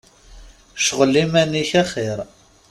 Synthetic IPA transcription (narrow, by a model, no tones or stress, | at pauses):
ʃʁəlːimæniçæχeɾ